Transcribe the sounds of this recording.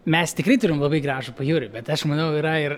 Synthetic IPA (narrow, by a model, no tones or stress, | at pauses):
mʲɛst̪ʲɪkrɐɪt̪ʊɾʲɪmlˠɐbɐɪɡɾɑːʒʊpɐjuːɾʲɪbʲɛt̪ɐʃmɐnɐʊiɾɐɪr